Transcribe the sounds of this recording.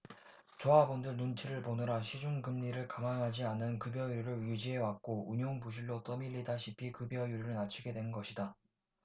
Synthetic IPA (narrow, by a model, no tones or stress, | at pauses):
t͡ɕoɦabʌndɯɭnunt͡ɕʰiɾɯɭponɯɾaɕʰid͡ʑuŋɡɯmʎiɾɯɭkamaŋɦad͡ʑianɯnkɯbjʌjuɾiɾɯɭɥjud͡ʑiɦewak̚k͈ouɲoŋpuɕ̬ʰiɭːot͈ʌmiʎːidaɕʰipʰikɯbjʌjuɾiɾɯɭnat͡ɕʰiɡe̞dwe̞nnɡʌɕʰida